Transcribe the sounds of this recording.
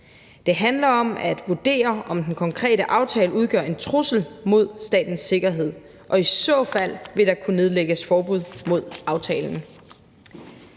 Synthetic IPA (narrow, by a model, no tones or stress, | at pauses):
d̥e̝ɦænlɐɒ̽mæd̥ʋud̥e̝̰ːɐʔɒ̽md̥enkʰɒ̽ŋkʰʁɛ̰ːɾəʔɑ̈ʊt͡sʰɛːləuðˠɡ̥ɶ̰ɐ̰e̝nt͡sʰʁusl̩mo̝ð̞̰ˠsd̥ɛ̰ːd̥n̩sːe̝ɡ̥ɐɦe̝ð̞̰ˠ | ʔɒ̽isɔ̰̽fæl̰ʋe̝ɾ̥ɑ̈kʰune̝ð̞ˠleɡ̥əsfɒːb̥uð̰ˠmo̝ð̞̰ˠɑ̈ʊt͡sʰɛːln̩